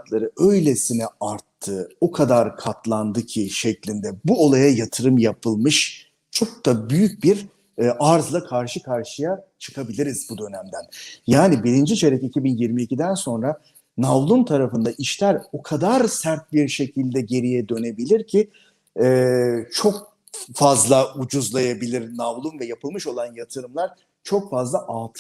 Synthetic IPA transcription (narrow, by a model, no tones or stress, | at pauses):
k̪lˠaɾɯø̞jlʲesinɛaɾt̪ʰːɯokʰad̪aɾkʰat̪lˠand̪ɯcʰiʃɛclʲind̪ɛbuo̞lˠajajat̪ʰɯɾɯmjapʰɯlˠmɯʃ | t͡ʃʰo̞k̚d̪abyjyc̚biɾ | ʔaɾzlˠakʰaɾʃɯkʰaɾʃɯjat͡ʃʰɯ̥kʰabilʲiɾizbud̪ø̞næmd̪ænjaːnibiɾind͡ʒit͡ʃʰe̞ɾɛcicʰibinjiɾmiːcid̪ænso̞nɾa | navlˠunt̪ʰaɾafɯnd̪aʔiʃlʲæɾo̞kʰad̪aɾsæɾt̪̚biɾʃe̞cʰilʲd̪ɛɟe̞ɾijɛd̪ø̞ne̞bilʲiɾcʰi | ɛt͡ʃʰo̞k̚ | fazlˠaud͡ʒuzlˠajabilʲiɾnavlˠunvɛjapʰɯlˠmɯʃo̞lˠanjat̪ʰɯɾɯmlˠaɾ̥ | t͡ʃʰo̞kfazlˠaʔaːt̪ʰ